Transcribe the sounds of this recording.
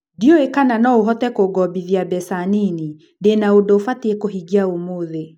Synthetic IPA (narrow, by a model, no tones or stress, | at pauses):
ndiɔekananɔoɦɔtɛkoɡɔbiðiabɛsanini | ndenaodofatiekoɦiɡiaomoðe